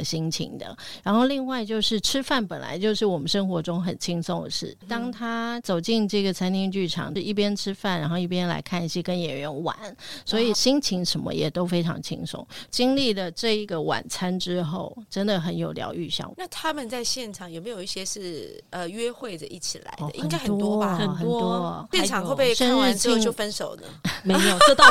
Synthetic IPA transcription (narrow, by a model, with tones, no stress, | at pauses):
ɕi˥ŋt͡ɕʰḭ˧˥ŋd̪ə̰˧˦ɻa˧˥nxo˥˧ʊli˥˧ŋwa˥˧ɪt͡ɕjo˥˧ʊʂɻ̩˥˩ʈ͡ʂʰɻ̩˥fa˥˩npə˨˩nla̰˧˥ɪt͡ɕjo˥˧ʊʂɻ̩˥˩wɔ˨˩mə˦nʂɤ˥ŋxwɔ˧˥ʈ͡ʂʊ˥ŋxə˨˩nt͡ɕʰi˥ŋso˥˩ŋd̪ə˩ʂɻ̩˥˩t̪ɑ˥ŋt̪ʰa˥t͡so˨˩ʊt͡ɕi˥˧ŋʈ͡ʂɤ˥˩ɡə˩t͡sʰa˥nt̪ʰi˥ŋt͡ɕy˥˩ʈ͡ʂʰɑ̰˨˩ŋɻ̩˥˧i˥˩p̬jɛ˥nʈ͡ʂʰɻ̩˥fa˥˩nɻa˧˥nxo˥˧ʊi˥˩pjɛ˥nla̰˧˥ɪkʰa˥˩ni˧˩ɕjɛ˥kə˥njɛ˨˩nɥɛ˧˥nwa̰˨˩˦nswɔ˧˥i˨˩ɕi˥ŋt͡ɕʰi˧˥ŋʂə˧˥mə̰˧jɛ̰˨˩t̪o˥ʊfe˥ɪʈ͡ʂʰɑ̰˧˥ŋt͡ɕʰḭ˥ŋso̰˥˨˩ŋt͡ɕi˥ŋli˥˩d̪ə˩ʈ͡ʂɤ˥˩i˧˥ɡə˩wa̰˨˩nt͡sʰa˥nʈ͡ʂɻ̩˥xo˥˩ʊʈ͡ʂə˥nd̪ə˨xə˧˥njo˨˩ʊljɑ̰˧˥ʊy˥˧ɕjɑ̰˥˩ŋna˥˩t̪ʰa˥mə˨nt͡sa˥˧ɪɕjɛ˥˧nʈ͡ʂʰɑ˨˩ŋjo˨˩ʊme˧˥ɪjo˨˩ʊi˥˩ɕjɛ˥ʂɻ̩˥˩ə˨ɥɛ˥xwe˥˩ɪʈ͡ʂə˩ʔi˥˩t͡ɕʰḭ˨˩la̰˧˦ɪ˧də˧ʔĩ˥˨ŋɡa˥ɪxət̪ɔt̪wɔ˥˨ə˨˩xə˨wnɔ˥t̪wɔ˥jɛ˥˨˧nʰɑ˨ŋxo˥˧pe˥˧ɪʂə˥nɻ̩˥˧t͡ɕi˥˧ŋt͡ɕo˥˧ʊfə˦nʂo˨˩ʊnə̰˦me˧˥ɪ˥˧˨